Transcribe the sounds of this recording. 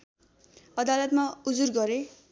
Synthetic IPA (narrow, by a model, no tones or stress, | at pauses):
ʌd̪alʌt̪maud͡zurɡʌɾe